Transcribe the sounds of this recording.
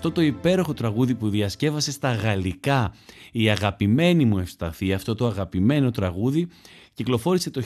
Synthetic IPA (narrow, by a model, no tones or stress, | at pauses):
t̪ot̪o̞ipe̞ɾo̞xo̞t̪ɾɐɣuðipuðiɐsce̞vɐse̞st̪ɐɣɐlikɐiɐɣɐpime̞nimue̞fst̪ɐθiɐft̪o̞t̪o̞ɐɣɐpime̞no̞t̪ɾɐɣuði | ciklo̞fo̞ɾise̞t̪o̞